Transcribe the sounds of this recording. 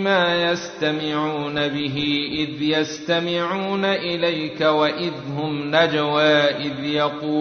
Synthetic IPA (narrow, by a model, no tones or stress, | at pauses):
maːjast̪amɪʕuːnabɪɦiʔɪðjast̪amɪʕuːnaʔɪlajkawaʔɪðhʊmnad͡ʒawaːʔɪðjɑquː